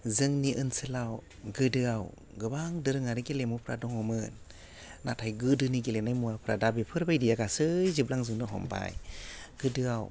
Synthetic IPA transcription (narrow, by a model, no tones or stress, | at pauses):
zɯŋniʔɯnsɯlaw | ɡɯdɯaw | ɡɯbaŋdɯɾɯŋaɾɯɡelemupʰɾa̰dɔŋhɔmɯn | natʰajɡɯdɯniɡelenajmuapʰɯɾadabepʰɯɾbajdijaɡasɯjzɯblaŋzɯŋdɯɦɔ̰mpa̰jɡ̥ɯdɯaw